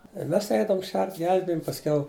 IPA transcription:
ɪ ˈmʲɛs ˈɛɪdɐʋʊm ˈʃʲɛrt ˈɡʲɛlʲbʲɪjoːm pɐsʲˈkʲɛʊ

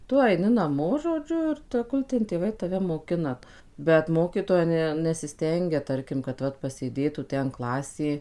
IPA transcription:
ˈtʊ ɐɪˈnʲɪ nɐˈmoː ʒoːˈd͡ʒʲʊ ɪr tʲɛˈɡʊlˠ tʲɛn tʲeːˈʋɐɪ tɐˈʋʲɛ moːˈkʲɪnɐ bʲɛt ˈmoːkʲiːtoːjɛ ˈnʲɛ nʲɛsʲɪˈsʲtʲɛŋʲɡʲɛ ˈtɐrʲkʲɪm kɐt ˈʋɐt pɐsʲeːˈdʲeːtuː ˈtʲɛn ˈklˠɑːsʲeː

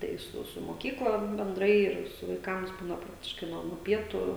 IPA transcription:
tɐɪ ˈsʊ sʊ moːˈkʲiːklˠɐ bʲɛnˈdrɐɪ ˈɪr sʊ ʋɐɪˈkɐms ˈbuːnɐ ˈprɑːktʲɪʃkɐɪ ˈnuɔ nuɔ ˈpʲiɛtuː

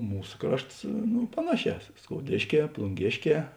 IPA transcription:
ˈmuːs ˈkrɐʃts nʊ ˈpɑːnɐˌʃʲɛː skoːʊˈdʲeːʃʲˌkʲɛː plˠʊŋʲˈɡʲeːʃʲˌkʲɛː

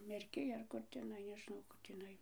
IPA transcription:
mʲɛrʲˈkʲɪj ɐr ˈkʊr tʲɛˈnɐɪ nʲɛʒʲɪˈnɐʊ ˈkʊr tʲiːˈnɐɪ

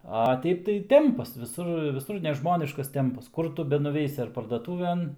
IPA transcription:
ɐ ˈtʲɛɪp tɐɪ ˈtʲɛmpɐs ʋʲɪˈsʊr ʋʲɪˈsʊr nʲɛˈʒmoːnʲɪʃkɐs ˈtʲɛmpɐs ˈkʊr tʊ bʲɛnʊˈʋʲɛɪsʲɪ ɐr pɐrdɐˈtuːʋʲɛn

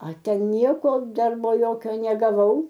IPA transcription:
ɐ ˈtʲɛn ˈnʲiɛkoː ˈdɐrboː ˈjoːkʲoː nʲɛɡɐˈʋɐʊ

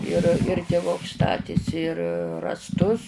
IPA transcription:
ɪr ɪr tʲɪˈʋʊks ˈstɑːtʲeːsʲɪ ɪr rɑːsˈtʊs

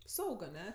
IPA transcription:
ˈsɐʊk ɐˈnʲɛ

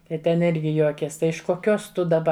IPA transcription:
tɐɪ ˈtʲɛn ˈɪrʲɡʲɪ ˈjuɔkʲeːs ˈtɐɪ ɪʃ koːˈkʲoːs ˈtʊ dɐˈbɐ

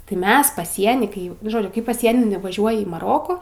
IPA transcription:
tɐɪ ˈmʲɛs pɐˈsʲiɛnʲiː kɐɪ ˈjɛʊ nʊ ˈʒoːd͡ʒʲʊ kɐɪ pɐˈsʲiɛnʲɪ nʊʋɐˈʒʲuɔjɪ iː mɐˈroːkʊ

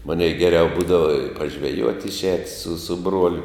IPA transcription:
ˈmɑːnʲɛɪ ɡʲɛˈrʲɛʊ ˈbuːdɐʋɐ pɐʒʲʋʲɛˈjuɔtʲ ɪʃʲˈɛːt sʊ sʊ ˈbruɔlʲʊ

